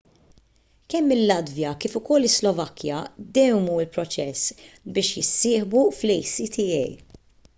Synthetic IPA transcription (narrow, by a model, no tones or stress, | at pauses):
kɛmːɪlːɐd̪vjɐkiːfʊkɔlːɪslɔvɐkʰːjɐd̪ɛwmuːɪlpɾɔt͡ʃɛsbɪːʃjɪsːɪːħbuflɛjsit̪ʰɪɛj